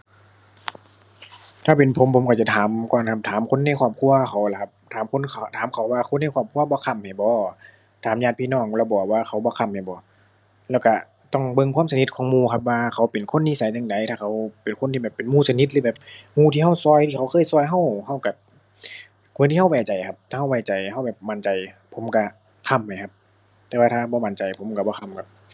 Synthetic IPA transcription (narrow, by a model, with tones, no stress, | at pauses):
t̪ʰaː˧˩pe˨npʰo˨˦mpʰo˨˦mkaː˧˩t͡ɕa˧˦t̪ʰaː˨˦mkɔː˧˩nkʰa˧p̚t̪ʰaː˨˦mkʰo˧˥˨nːa˧˩˨kʰaɔː˧˩p̚kʰu˧ɐxʰa˨˩˦wla˧kʰa˧p̚t̪ʰaː˨˦mkʰo˧˥˨nkʰa˧˨t̪ʰaː˨˦mkʰa˨˩wwaː˧kʰo˧˥˨nːa˧˥˩kʰaː˧˩p̚kʰu˧˨ɐbɔː˧˦kʰa˧˩˨mha˨˩jbɔː˧˦ | t̪ʰaː˨˦mɲaː˧˩t̪̚pʰiː˧˨nɔː˧˩ŋlɛ˧˩bɔː˨˩k̚waː˧˩xʰa˨˧˦wbɔː˧˦kʰa˧˩mha˨˩jbɔː˨˦ | lɛː˧˩wka˧˩ | t̪ɔ˧˩ŋbɤ˧˨ŋkʰwaː˧˥˨sa˧˨ni˧t̪̚kʰɔː˨˧˦ŋmuː˧˨kʰp̬̚waː˧kʰa˨˩wpe˨˩nkʰo˧˥˨nːiː˧˥˨sa˨˦jt͡ɕa˧ŋda˨˦jt̪ʰaː˧˩kʰa˧˩wpe˨nkʰo˧˥˨nt̪ʰiː˧bɛː˨˩pːe˨nmuː˧˩sa˧˦ni˧˥t̪̚lɯː˧bɛː˨˩p̚muː˧˨t̪ʰiː˧˨a˧˩wsɔː˧˩˨jt̪ʰi˧˨ka˧˦wkʰɤː˧˥˨jsɔː˧˨jɦa˧˥˨wha˧˩wka˧˩ | kʰu˨˧˦nt̪i˧ha˧waː˨˧˩t͡ɕa˨˩jkʰa˧p̚t̪ʰaː˧ha˧˩wa˧˩t͡ɕa˨˩jha˧˩wbɛː˨˩p̚ma˧˦nt͡ɕa˨˩j | pʰo˨˦mka˧˩ | kʰa˧˩˨mːa˨˩jkʰa˧p̚ | t̪ɛː˧waː˧t̪ʰaː˧˩bɔː˧˦ma˧˦nt͡ɕa˨˩jpʰo˨˦mka˧˩bɔː˧kʰa˧˥˨mkʰa˧p̚